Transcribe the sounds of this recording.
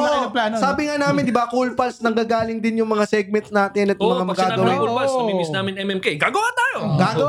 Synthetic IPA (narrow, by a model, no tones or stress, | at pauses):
ɐplaːnsaːbɪŋanaːmɪnd̪ɪbakulpɐlsnɐŋɡaːɡaːlɪŋd̪ɪnjʊŋmɐŋasɛɡ̚mɛnt̪snaːt̪ɪnɐt̪jʊmɐŋamɐɡɡaːɡɐwɪɐlsɐibisnaːmɪnɛmɛmkeɡaːɡɐwat̪aːjoɡaːɡɐw